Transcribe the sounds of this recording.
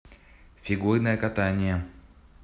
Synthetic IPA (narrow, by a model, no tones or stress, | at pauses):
fʲɪɡuɾnəjəkɐt̪anʲɪjə